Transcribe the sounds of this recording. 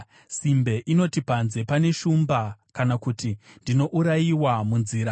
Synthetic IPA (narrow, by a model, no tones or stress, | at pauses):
simbe̞ʔino̞tipanze̞pane̞ʃumbakanakutindino̞ʔuɾajiwamunziːɾa